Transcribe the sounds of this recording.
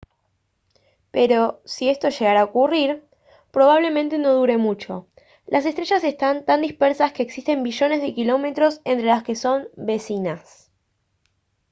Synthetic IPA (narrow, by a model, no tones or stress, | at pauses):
pe̞ɾo̞sie̞st̪o̞ʃe̞ɣaɾaokuriɾ | pɾo̞β̞aβ̞le̞mẽnt̪e̞no̞ð̞uɾe̞mut͡ʃo̞̰ | lʔas̬e̞st̪ɾeʃase̞st̪ant̪and̪ihspeɾsaske̞ːksist̪e̞mbiʒo̞ne̞zð̞ekilo̞me̞t̪ɾo̞se̞nt̪ɾe̞laske̞so̞mbe̞sinas